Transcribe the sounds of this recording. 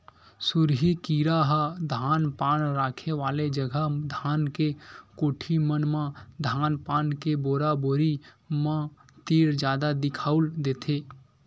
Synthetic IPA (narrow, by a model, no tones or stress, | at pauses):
sʊɾɦikiːɾaɦad̪ʱaːnpaːnɾaːkʰeʋaːled͡ʒəɡʱəd̪ʱaːnkekoːʈʰimənmãd̪ʱaːnpaːnkeboːɾaboːɾi | mã | t̪eːɾd͡ʒjaːd̪ad̪ɪkʰaːʊld̪eːt̪ʰeː